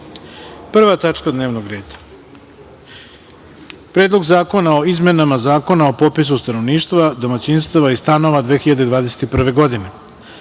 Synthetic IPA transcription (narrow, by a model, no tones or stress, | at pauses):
pr̩ʋat̪at͡ʃkad̪ne̞ːʋnoɡɾe̞ːd̪ḁ | pɾeːd̪lˠo̞ɡzaːko̞naoizme̞namazaːko̞nao̞po̞pis̬ust̪ano̞ʋniːʃt̪ʋad̪o̞mat͡ɕinst̪aʋaist̪ano̞ʋad̪ʋe̞ːxiʎad̪ed̪ʋaːd̪ese̞t̪ipr̩ʋe̞ɡo̞d̪ine̞